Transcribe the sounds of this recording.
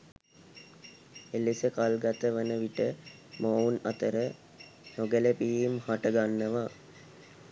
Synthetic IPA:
elesəkalɡat̪əʋənəʋiʈə | mounat̪əɾə | noɡələpijimhaʈəɡanːəʋa

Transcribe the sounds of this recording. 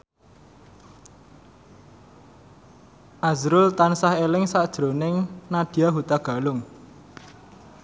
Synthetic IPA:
ʔazɾʊlt̪ansahelɪŋsad̥ʒ̥ɾonɪŋnad̥i̤aɦut̪aɡ̥a̤lʊŋ

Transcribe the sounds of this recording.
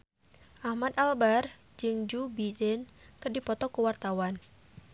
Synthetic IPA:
ʔahmad̪albar | d͡ʒɨŋd͡ʒubidɛnkɨrdipɔt̪ɔkuwart̪awan

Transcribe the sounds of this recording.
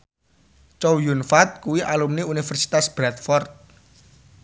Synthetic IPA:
t͡ʃowjunfat̪̚kuwiʔalumniunifɛrsi̥t̪asb̥ɾat̪̚fɔrt̪̚

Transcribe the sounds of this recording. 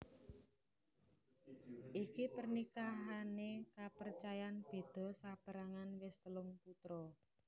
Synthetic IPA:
ʔikipərnikaɦanekapərt͡ʃajanb̥e̤d̪̥ɔ̤sab̥əɾaŋanwɪst̪əlʊŋput̪ɾɔ

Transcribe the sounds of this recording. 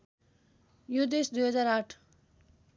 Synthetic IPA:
jud̪esd̪ujɦʌd͡zaɾaʈʰ

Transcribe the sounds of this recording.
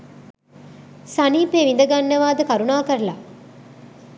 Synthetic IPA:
sɐniːpeːʋind̪ɐɡɐnːɐʋaːd̪ɐkɐɾunaːkɐɾla̰

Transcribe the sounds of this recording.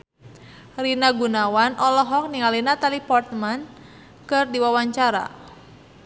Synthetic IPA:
rinaɡunawanʔɔlɔɦɔk̚niŋalinat̪alipɔrt̪̚man | kɨrdiwawaɲt͡ʃaɾa̰

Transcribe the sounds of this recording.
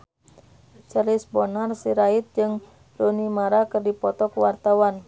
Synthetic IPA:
t͡ʃəlisbɔnarsiɾait̪̚d͡ʒɨŋ | donimaɾakɨrdipɔt̪ɔkuwart̪awan

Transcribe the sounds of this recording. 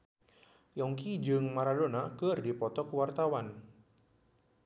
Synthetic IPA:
jɔŋkid͡ʒɨŋmaɾadonakərdipɔt̪ɔkəwart̪awan

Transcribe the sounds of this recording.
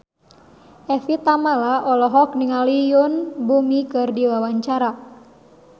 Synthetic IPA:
ʔɛfit̪amalaʔɔlɔɦɔk̚niŋalijʊnbumikɨrdiwawaɲt͡ʃaɾa

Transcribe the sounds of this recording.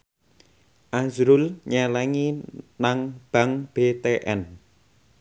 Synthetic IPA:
ʔazɾʊlɲɛlɛŋinaŋb̥a̤ŋb̥et̪eʔɛ̰n

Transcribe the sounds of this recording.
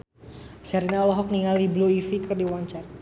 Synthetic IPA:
saɾinaɔlɔɦɔk̚niŋalibluifikɨrdiwaɲt͡ʃar

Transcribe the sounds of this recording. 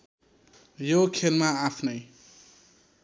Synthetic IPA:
jokʰelmaapʰnʌj

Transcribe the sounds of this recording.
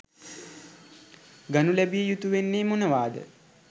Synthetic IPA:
ɡanulæbijəjut̪uʋenːeːmonəʋaːd̪ə̰

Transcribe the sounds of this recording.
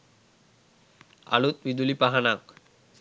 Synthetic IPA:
a̰lut̪̚bid̪ulipaɦanak

